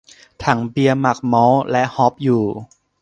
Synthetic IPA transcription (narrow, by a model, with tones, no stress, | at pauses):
t̪ʰa˩˦ŋbi˧əma˨˩k̚mɔː˦˥wlɛ˦˥ʔhɔ˦˥p̚juː˨˩